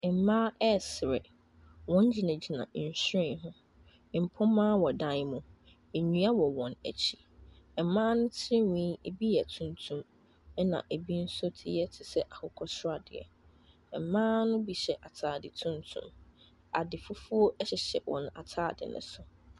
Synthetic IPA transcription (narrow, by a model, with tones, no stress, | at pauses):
m̩˨mãː˦ʔɛ˦˨sɾɛ̰˨ | wɔ̃˦n˦d͡ʑi˨nã˨d͡ʑi˨nã̰˨n̩˨ɕɪ̃˨ɦʊ̃˦˨ | m̩˨pʰɔ̃˦mãː˦wɔ˨dã˦n˦mũ˨ | e˨ɲũ˨˦a˦wɔ˨wɔ̃˨næ̰˨t͡ɕʰi˦˨ | ɛ˨˦mãː˦nʊ̃˦tʰɪ˦ɪ˦wĩ˦e˨bi˦jɛ˨tʰũ˦ntʰũ˦m | ɛ˦nã̰˨ʔe˨bi˦n̩˦sʊ˦tʰɪ˦jɛ˦tʰɪ˨sɛ˦ʔa˨hʰʊ˦kʰɔ˦sɾa˨dɪ˨ɛ̰˨ | ɛ˨m̩˨˦mãː˦nʊ̃˦bi˨ɕɛ˨ʔa˨tʰaː˨dɪ˨tʰũ˦ntʰṵ̃˦˨m | a˨dɪ˨fu˦fu˦o˦ʔɛ˦ɕɪ˨ɕɛ˨wɔ̰̃˨na̰˨tʰaː˦˨dɪ̰˨nɪ̰̃˨sʊ˨